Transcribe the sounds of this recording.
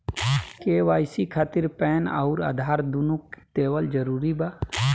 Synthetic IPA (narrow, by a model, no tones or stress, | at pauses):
keːʋaːjsikʰaːt̪ɪɾpɛːnə̰ʊɾa̰ːd̪ʱaːɾd̪unukt̪eːʋəld͡ʒəɾuːɾibaː